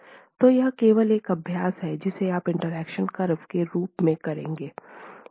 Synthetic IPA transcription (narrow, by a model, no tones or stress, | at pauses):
t̪oːjɐɦkeːʋəleːkɐbʱjaːsɦɛd͡ʒɪseaːpɪ̃ɳʈəɾɛːkʃənkɐɾfkeɾuːpmẽkɐɾẽːŋɡeː